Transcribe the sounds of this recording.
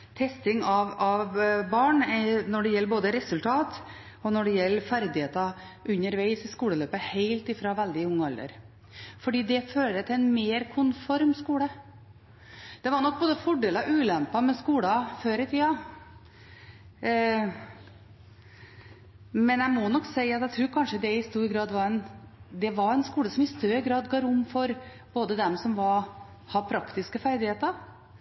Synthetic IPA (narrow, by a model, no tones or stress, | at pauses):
t̪ʰɛst̪ɪŋɑʋɑʋbɑːɳnɔɖɛjɛlːboːd̪əɾɛsʉlt̪ʰɑːt̪ | ɔnɔɖɛjɛlːəfæɾd̪ɪheːt̪ɑ | ʔʉɲːəɾʋæɪsɪskuːləløːpəheɪlt̪ɪfɾɑʋæld̪ɪʊŋːɑlə̰ɾ | fɔɖiːd̪ɛføːɾət̪ʰɪlɛɪnmeːɾkʰʊnfɔɾmskuːɽə | d̪̥ɛʋɑɾɳɔk̚ːboːd̪əfɔɖeːlɑʉːlɛmpɑmɛskuːlɑføːɾət̪ʰiːɑ | mɛnjæɪmɔnɔkːsæɪɑt̪æɪt̪ʰɾuːɾkʰɑnʂəd̪ɛɪst̪uːɾɡɾɑːd̪ʋɑɾɛnd̪ɛʋɑɾɛnskuːləsɔmɪst̪œɾəɡɾɑːd̪ɡɑːɾʊmːfɔɾ | b̥oːd̪əd̪ɛmsɔmʋɑɾ | hɑpʰɾɑkt̪ɪskəfæɾd̪ɪheːt̪əɾ